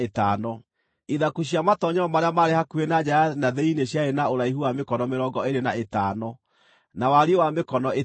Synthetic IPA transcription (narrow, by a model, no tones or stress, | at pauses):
etaːnɔ | iðakuɕ̬iamatɔɲɛɔmaɾeamaɾehakuenad͡ʑaanaðeineɕjaenaoɾaiɦuwamekɔnɔmeɾɔɡɔeɾenaetaːnɔ | nawaɾiewamekɔnɔe